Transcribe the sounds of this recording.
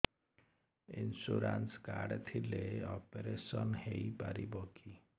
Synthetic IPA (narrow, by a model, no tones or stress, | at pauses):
insuɾanskaɾɖt̪ʰileɔpeɾesɔnheipaɾibɔki